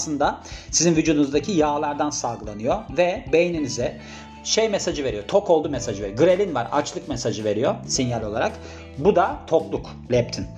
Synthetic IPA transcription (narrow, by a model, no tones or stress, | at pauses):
slˠɯnd̪asizinvyd͡ʒuːd̪unuzd̪acʰijaːlˠaɾd̪ansalˠɡɯlˠanɯjovɛbe̞jninizɛ | ʃejmɛsad͡ʒɯve̞ɾijo̞t̪ʰo̞kʰo̞lˠd̪umɛsaʒɯveɾjɡɯɾelʲinvaɾa̰t͡ʃlˠɯkmɛsaʒɯve̞ɾijosinjalʲo̞lˠa̰ɾak | bud̪at̪ʰo̞klˠuk | lʲɛp̚t̪ʰin